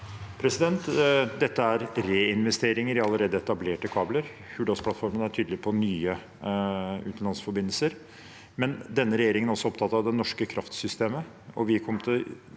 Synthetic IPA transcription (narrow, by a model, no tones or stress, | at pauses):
pʰɾɛsɪd̪ɛnt̪d̪ɛt̪ːəæɾɾeːɪnʋɛst̪eːɾɪŋəɾɪɑlːəɾeːd̪əɛt̪ɑbleːʈəkʰɑːbləɾ | hʉːɖ̪ɑspʰlɑt̪fɔɾmənæʈʰyːd̪əlɪpʰɔnyːə | ʉ̰ːt̪n̩lɑnsfɔɾbɪnːəlsəɾ | mɛnd̪ɛnːəɾɛjeːɾɪŋənæɔsːɔɔpt̪ʰɑt̪ːɑʋd̪ɛnɔʂkəkʰɾʔɑft̪sʏst̪eːmə | ɔʋɪkʰɔmːt̪ʰɪl